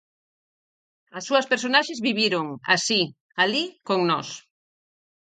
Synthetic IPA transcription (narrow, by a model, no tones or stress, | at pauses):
asːuɐspeɾsonaʃezβiβiɾoŋa̰si | alikoŋnɔs